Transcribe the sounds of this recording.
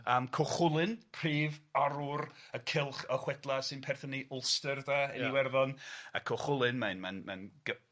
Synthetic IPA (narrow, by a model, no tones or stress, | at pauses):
əːmkʰɔχʊlˠɨnpʰr̥iːvaɾʊrəkʰɪlˠχəχwɛdlˠasɨnpʰɛrθəniʔʊlˠstərdaəniwɛrðɔna̰kʰɔχʊlˠɨnmanmanmanɡə